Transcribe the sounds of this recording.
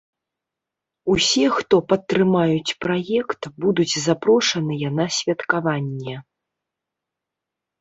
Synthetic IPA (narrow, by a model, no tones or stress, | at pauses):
usʲɛxt̪ɔpɐt̪ːɾɨmajut͡sʲpɾajɛkt̪bud̪ut͡sʲzapɾɔʂɐnɨjanasʲvʲɐt̪kavanʲːɛ